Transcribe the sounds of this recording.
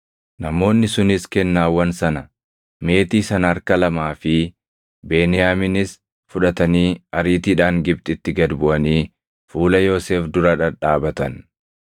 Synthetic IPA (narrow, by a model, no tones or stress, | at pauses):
nɐmo̞ːnːɪsʊnɪskɛnːaːwːɐnsɐnɐ | me̞ːt̪iːsɐnɐɐɾkɐlɐmaːfɪ | be̞ːnɪjaːmɪnɪs | fʊᶑɐt̪ɐniːɐɾiːt̪iːᶑaːŋɡɪb̚t̪ʼɪt̪ːɪɡɐd̪bʊʔɐniː | fuːlɐjo̞ːseːfd̪ʊɾɐᶑɐᶑaːbɐt̪ɐn